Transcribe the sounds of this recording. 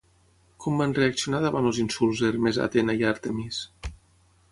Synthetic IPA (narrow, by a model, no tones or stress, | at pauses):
kʰɔmbanreaksionaðaβanlˠzinsulˠzeɾmeza̰t̪enajaɾt̪emis